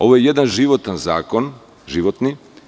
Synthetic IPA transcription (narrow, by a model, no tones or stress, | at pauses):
ovoɛjɛd̪ɛnʒivɔt̪ɛnza̰kon | ʒiʋɔt̪ni